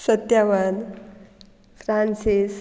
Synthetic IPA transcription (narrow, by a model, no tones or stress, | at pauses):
sət̪jaʋan | fʰɾansis